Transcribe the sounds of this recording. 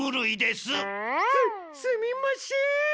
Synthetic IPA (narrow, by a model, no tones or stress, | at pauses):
ɯɾɯid̪e̞sɨ | sɨmʲimaɕi